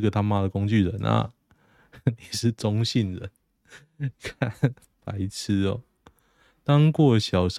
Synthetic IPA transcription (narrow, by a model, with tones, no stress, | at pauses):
ɡə˨˩t̪ʰa˥ŋma˦˥d̪ə˨ko˦ŋt͡ɕy˥˨˩lə˨˦nʔa̰˨ | ni˨˩ʂɻ̩˥˨ʈ͡ʂɔ˦ŋɕi˥˩nɻə˦n | kʰa˥˨ | pa̰˨˦ɪt͡s̩ʰ˦ɔ˨˦ | t̪ɑ˦ŋkwɔ˥˨ɕjɑ˨˩ʊʂ